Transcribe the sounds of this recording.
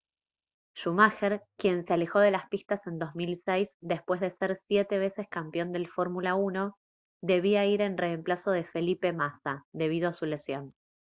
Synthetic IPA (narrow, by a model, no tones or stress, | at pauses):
ʃumaxeɾkje̞nseale̞xo̞ðe̞laspist̪ase̞nd̪o̞zmilsejsd̪e̞spwezðeseɾsjet̪e̞βe̞seskampjo̞nd̪e̞lfo̞ɾmulauno̞ | d̪e̞β̞iaiɾe̞nre̞ːmplaso̞ð̞e̞fe̞lipe̞masad̪e̞β̞ið̞oasulesjo̞n